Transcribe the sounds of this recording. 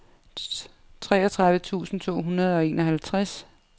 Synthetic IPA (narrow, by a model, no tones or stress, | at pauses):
t͡sʰʁɛ̰ːɐt͡sʰʁɑ̈ðˠʋət͡sʰṵːsn̩t͡sʰo̝̰ːɦunɐð̞̩ˠɒ̽e̝ːnʔɒ̽ɦælt͡sʰʁas